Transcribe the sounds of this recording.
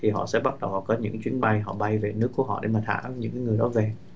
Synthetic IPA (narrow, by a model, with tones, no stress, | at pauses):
t̪ʰi˨˩ɦɔ̰˧˨sɛ̰˧˥ɓa˦˥t̚ɗə˨˩whɔ̰˧˨˩kɔ˨˦ɲɨ̰˧˥ŋt͡ɕwi˨˦ənɓa˧jɦɔ̰˧˨ɓa˧jve˨˩nɨ˦˥əkːu˧˩əɦɔ̰˧˨ɗḛ˧˩˦maː˨˩t̪ʰa̰ː˧˩ʔɲɨ̰˧˥ŋkaː˨˦ŋɨ˨˩əjɗɔ˨˦ve˨˩